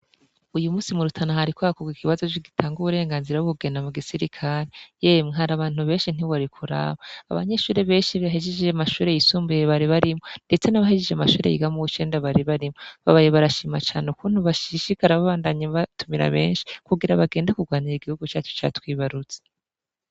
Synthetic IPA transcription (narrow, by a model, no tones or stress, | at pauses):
ujumuːsimuɾutʰanahaɾikwaakoɡikʰiβazo̞t͡ʃiɡitʰaːŋɡuβuɾe̞ːŋɡaːnziɾaβuβuɡe̞namuɡisiɾikʰaɾejemŋeɦaɾaβaːn̥huβe̞ːnʃin̥iβoɾikʰuɾa̰ːβaaβa̰ɲe̞ʃuːɾeβe̞ːnʃiβaɦed͡ʒed͡ʒeʒeamaʃuːɾe̞jisuːmbujeβaɾiβaɾimŋo̞nde̞t͡se̞naβahid͡ʒeʒeamaʃuːɾejḭɡamuut͡ʃeːndaβaɾiβaɾimoβaβajeβaɾaʃiːmat͡ʃaːneukuːn̥uβaʃiʃikaɾaβaβaːndaɲeβatumiɾa̰βe̞̰ːnʃi̥kuɡiɾaβaɡe̞ːndekuɡwaːniɾiɡihuɡut͡ʃaːt͡ʃo̥t͡ʃa̰twiːβaɾut͡se̥